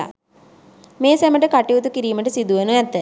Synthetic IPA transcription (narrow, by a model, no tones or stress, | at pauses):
a̰ | meːsæməʈəkaʈiʋut̪ukiɾiːməʈəsid̪uʋenuɛt̪ːə